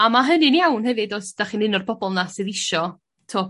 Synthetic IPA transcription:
amaɦənɪnijawnhɛvɨdɔsd̥aχiːnɪnʊrbɔbɔlˠnasɨðɪʃɔ | tʰoːp̚

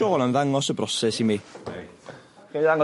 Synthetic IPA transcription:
oːlˠanðaŋɔsəbrɔsɛsimi | χiaŋ

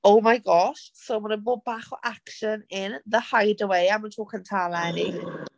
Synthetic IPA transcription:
owmajɡɔʃsomənəboːd̚baːχɔʔakʃənɪnðəhajdəwejaməntʰoːkəntʰalaɛni

